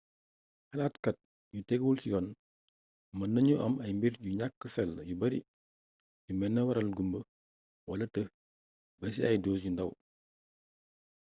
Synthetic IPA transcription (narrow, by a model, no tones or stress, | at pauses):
hɐlaːtkɐt̚ | jutɛɡulsijɔn | mɐnːɐɲuʔɐmɐjmbiɾɟuɲakːəsɛlːjubɐɾḭ | ɟumɛnːɐwɐɾɐlɡumbə | wɐlɐtə | bɛs̬iɐjdoːs̬jundɐw